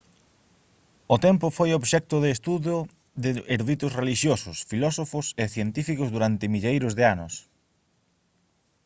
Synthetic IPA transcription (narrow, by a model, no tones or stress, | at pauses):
ʊt̪ɛmpʊfojoβʃɛk̚t̪ʊðɪːst̪uðo | ðɪeɾðuwit̪ʊsreliʃjosʊsfilɔsofʊseθjent̪ifikʊzðuɾant̪ɪmiʎejɾʊzðɪanʊs